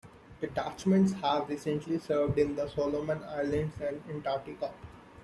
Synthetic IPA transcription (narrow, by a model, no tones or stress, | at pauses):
d̪̥əɖat͡ʃmə̃ɳʈshæʋɾiːsə̃ɳʈlisəːɾʋɖɪ̃nd̪əsoːloːmə̃na̰ɪəɾlə̃ɳɖsæ̃ɳɖɪ̃ɳʈaːɾʈikə